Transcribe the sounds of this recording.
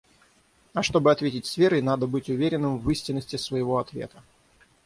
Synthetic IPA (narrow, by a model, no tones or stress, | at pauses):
ɐʂt̪o̞bɨɐt̪vʲetʲɪtʲsvʲe̞ɾəjnad̪əbɨtʲʊvʲeɾʲɪnːɨmvɨsʲtʲɪnːəsʲtʲɪsvəjɪvo̞ɐt̪vʲḛt̪ə̥